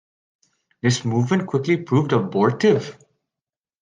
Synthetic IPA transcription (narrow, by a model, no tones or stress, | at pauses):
d̪ɪsmuːvmə̃n̚kʰw̥ɪklipʰɾuːvɖəbɔːɹʈɪv